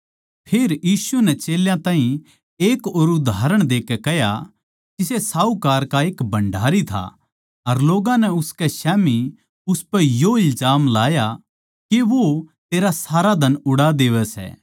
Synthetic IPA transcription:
pʰeːɾjiːsunɛt͡ʃeːljãt̪ãːɦĩ | eːkoːɾʊd̪ʱaːɾəɽ̃d̪eːkɛkɛɦja̰ | kɪsesaːukaːɾkaeːkbʱɐ̃ɳɖʱaːɾit̪ʰa̰ | ɐɾloːɡãnɛʊskɛʃɛːmi | ʊspɛjoɪlzaːmlaːja | kiʋot̪eːɾasaːɾad̪ʱɐnʊɽad̪eːʋɛsɛ̰ː

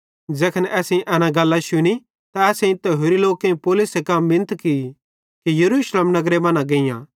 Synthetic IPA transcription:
d͡ʒɛːkʰənʔɛːsẽʔɐnãɡɐlːaʃʊni | t̪aɛːsẽĩt̪ɛɦoɾiloːkẽĩpoːlʊsekɐmbɪ̃nət̪ki | kijɐɾuːʃleːmnɐɡɾebɐ̃nãɡeɪ̃jã̰

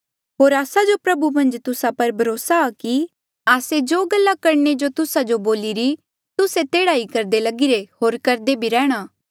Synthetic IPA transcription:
ɦoːɾaːsad͡ʒopɾɐbumɐ̃nd͡ʒt̪ʊsapɐɾbʱɐɾoːsaːki | aːsed͡ʒoːɡɐlːakɐɾned͡ʒot̪ʊsad͡ʒoboːliɾi | t̪ʊset̪eːɽaːikɐɾd̪elɐɡɪɾehoːɾkɐɾd̪ebʱiɾɛːɽ̃aː

